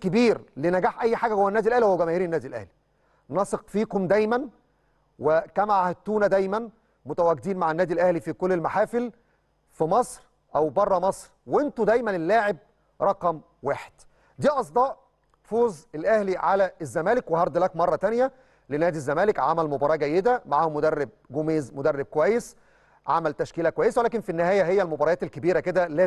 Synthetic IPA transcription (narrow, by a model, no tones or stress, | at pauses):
kebiːɾlenæɡaːħʔæjːħaːɡæhowːænːæːd̪ilʔæhlihowːæɡæmæːhiːɾenːæːd̪ilʔæ̰hli̥ | nɑsˤeqfiːkomd̪æjmæn | wɪkæmaʕhet̪ːuːnæd̪æjmæn | mʊt̪æwæːɡɪd̪iːnmaʕenːæːd̪ilʔæhlifikolːelmaħaːfɪl | fimɑsˤɾ | ʔæwbɑrˤːɑmɑsˤɾwɪnt̪ʊd̪æjmænelːaːʕeb̚ | ɾˤɑqɑm | waːħe̥d̪̥ | d̪iːʔɑs̬ˤd̪ˤɑːʔ | foːzelʔæhliʕalæʔezːæmæːlekwehɑɾˤd̪lækmɑrˤːɑt̪ænjæ | lenæːd̪izːæmæːlekʕamælmobɑɾˤɑːɡæjːed̪æmaʕaːhmʊd̪ærːeb̚ɡomeːzmod̪ærːeb̚kowæjːes | ʕa̰mælt̪æʃkiːlækowæjːeswelæːkenfinːɪhæːjæɦejːælmobɑɾˤɑjɑːt̪elkebiːɾæked̪ælæː